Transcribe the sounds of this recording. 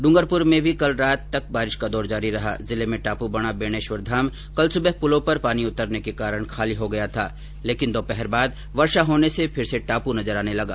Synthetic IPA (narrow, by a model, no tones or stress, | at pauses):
ɖʊ̃ŋɡəɾpʊɾmẽbʱikɐlɾaːt̪ːɐk̚baːɾɪʃkad̪ɔːɾd͡ʒaːɾiɾɐɦa̰ːzɪlemẽʈaːpubɐɽ̃abeːɽ̃eːʃʋəɾd̪ʱaːm | kɐlsʊbəɦpʊlõpɐɾpaːniʊt̪əɾnekekaːɾəɽ̃kʰaːliɦoɡɐjat̪ʰaː | leːkɪnd̪oːpɛɦɛɾbaːd̪̚ | ʋɐɾʃaɦoːnesepʰɪɾseʈaːpunɐzəɾaːnelɐɡa̰ː